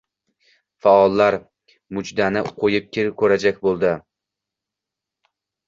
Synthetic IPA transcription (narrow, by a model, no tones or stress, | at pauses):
faɒlˠːaɾ | mʊd͡ʒd̪anɪqʰojɪp̚kʲɪɾkʰɵɾad͡ʒakʲbolˠd̪ɪ